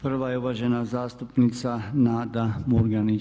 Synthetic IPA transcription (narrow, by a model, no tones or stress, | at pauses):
pr̩ʋajeuʋaʒenazaːst̪upnit̪sanaːd̪amuɾɡani